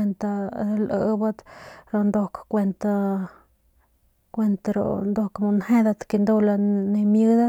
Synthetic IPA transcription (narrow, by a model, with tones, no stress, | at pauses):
e˧nt̪a˧ɾa˧lʔə̰˧ba˦d̪ɾo˧nd̪o˧kkʷe˧nt̪a˧ | kʷe˧nt̪aɾo̰˨nd̪o˧kmu˧nhe˦d̪a˧t̪ki˧nd̪o˧la˧ne˧mjɨ˦d̪a˦